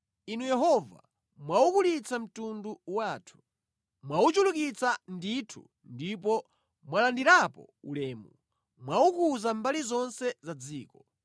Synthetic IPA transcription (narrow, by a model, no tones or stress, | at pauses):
inujɛɦɔva̰ | mwaukulit͡sam̩tunduwaːtʰu̥ | mwaut͡ʃuluk̬it͡sanditʰṵ | ndip̬ɔ | mwalandiɾapɔ̰ṵlɛːmu | mwaukuzambalizɔnsɛzad͡ziːkɔ